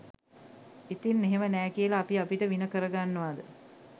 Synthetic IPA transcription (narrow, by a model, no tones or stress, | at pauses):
it̪inːeɦemənæːkijəlaːpiapiʈəʋinəkəɾəɡanːəʋad̪ə